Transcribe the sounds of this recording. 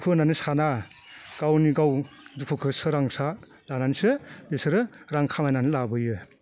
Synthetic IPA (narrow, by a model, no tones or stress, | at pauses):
kʰɯnanisana | ɡ̥awniɡawdukʰukʰɯsɯɾaŋsa | lananisɯbesɯɾɯɾaŋkʰamajnanilabɯjɯ